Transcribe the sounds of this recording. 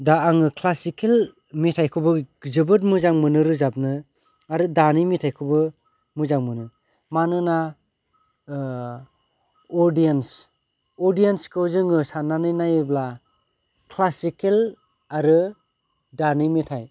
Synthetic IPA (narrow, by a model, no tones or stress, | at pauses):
daːŋɯkʰlasikel | mitʰajkʰɯbɯzɯbɯt̚mɯzaŋmɯnɯɾɯzap̚nɯ | aɾɯdanimitʰajkʰɯbɯ | mɯzaŋmɯnɯ | manɯna | ɔɾdijens | ɔɾdijenskɯwzɯŋɯsananɯjnajɯbla | kʰlasikel | aɾɯ | danimitʰaj